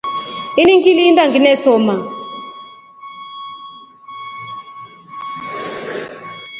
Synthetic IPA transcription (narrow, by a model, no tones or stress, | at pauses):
iniŋkʼilintʼaŋɡinɛsɔːma